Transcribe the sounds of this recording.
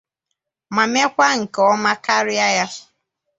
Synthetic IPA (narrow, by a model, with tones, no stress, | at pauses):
ma˨me˦kʷa˦ŋ̩˨kɔ˦ma˦ka˦ɾɪ˦a˦ja˦